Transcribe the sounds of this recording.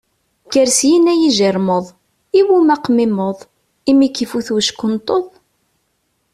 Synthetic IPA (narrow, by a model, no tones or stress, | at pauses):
kːəɾsjinæjiʒiɾˤməðˤ | iwumæqmɪmoðˤ | imikːifuθwʃkːʊnt̪ˤoðˤ